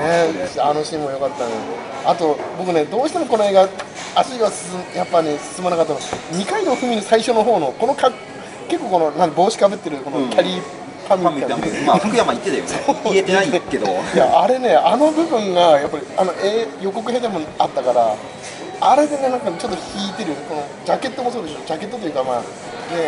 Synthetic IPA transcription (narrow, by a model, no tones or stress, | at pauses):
neɕanoɕĩːmːojo̞kat̪ːãnao | at̪o̞bo̞k̬ɯ̟ne̞d̪o̞ːɕi̥t̪e̞mo̞ko̞no̞e̞ːɡa | aɕiɡasɨ̥mjapːanesɨ̥sɨmanakat̪ːanoɲ̟ikaid̪oɸɯ̟mʲinɯsaiɕo̞no̞ɦo̞ːno̞ko̞no̞kak | ke̞kːo̞ːko̞no̞nãnd̪ebo̞ːɕi̥kabɯt̪ːe̞ɾɯ̟ko̞nokʲʰaɾʲi | pʰãmʲːiankɯjamait̪ːet̪ajosoet̪enaikːed̪o̰jaaɾe̞ne̞ano̞bɯ̟bɯ̟̃ŋɡajapːaɾʲiano̞ʔeːjo̞ko̞k̬ɯ̟ɦed̪amonat̪ːakaɾa̰ | aɾe̞d̪e̞ne̞nãŋkat͡ɕo̞t̪ːoçiːt̪e̞ɾɯko̞no̞ | d͡ʑake̞t̪ːomo̞soːd̪e̞ɕo̞d͡ʑake̞t̪ːot̪ojɯ̟kama̰ː | ne̞